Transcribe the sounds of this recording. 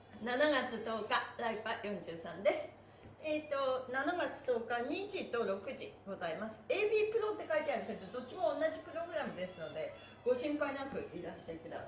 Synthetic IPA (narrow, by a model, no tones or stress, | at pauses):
nanaɡat͡sɨt̪o̞ːkaɾaipajõ̞ɲ̟d͡ʑɨːsãnd̪e̞sɨ̥ | eːt̪o̞nanaɡat͡sɨ̥t̪o̞ːkaɲ̟id͡ʑit̪o̞ɾo̞kɯ̟ʑḭɡ̥o̞zaimasɨ̥e̞ːbʲiːpɯ̟ɾõ̞nt̪ːe̞kait̪eaɾɯk̪eɾɯ̟t̪od̪o̞t̚ʲːt͡ɕːimõ̞ːnːaʑipɯ̟ɾo̞ɡɯ̟ɾamɯ̟d̪e̞sɨno̞d̪e̞ | ɡ̥o̞ɕĩmpainakɯ̟̰ʔiɾaɕi̥t̪ekɯ̟d̪a̰a